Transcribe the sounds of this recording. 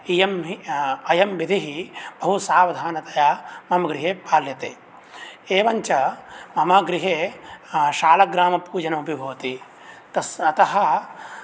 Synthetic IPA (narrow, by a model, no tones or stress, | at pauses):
ijɐmɦiɐjɐmʋid̪ʱiɦib̥ɐɦusaːʋɐd̪ʱaːnɐt̪ɐjaːmɐmɐɡɾɪɦeːpaːljɐt̪eː | eːʋɐɲt͡ʃɐmɐmaːɡɾiɦeː | ʃaːlɐɡɾaːmɐpuːd͡ʒɐnɐɐbʱibʱɐːɐt̪i | t̪ɐɐt̪ɐɦɐ̆